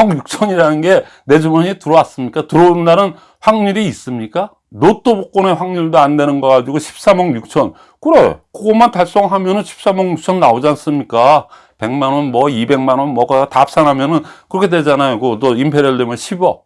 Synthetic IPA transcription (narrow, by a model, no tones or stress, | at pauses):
ʌŋjuk̚t͡ɕʰʌɲiɾanɯnɡe̞ | ne̞d͡ʑomʌɲitɯɾʌwas͈ɯmɲik͈atɯɾʌndaɾɯn | ɸwaŋɲiɾiːs͈ɯmɲik͈a | notʰobok͈one̞ɸwaŋɲiɭdoande̞nɯnɡʌɡad͡ʑiɡoɕʰi̥p̚s͈amʌŋjuk̚t͡ɕʰʌn | kɯɾeo̰koɡomantaɭs͈ʌŋɦamjʌnɯnɕʰi̥p̚s͈amʌŋjuk̚t͡ɕʰʌnːaod͡ʑians͈ɯmɲik͈a | pe̞ŋmanʌnmʌibe̞ŋmanʌnmʌkɯtap̚s͈anɦamjʌnɯnkɯɾʌkʰe̞dwed͡ʑanajokot͈oimpʰe̞ɾjʌɭdemjʌnɕʰibʌ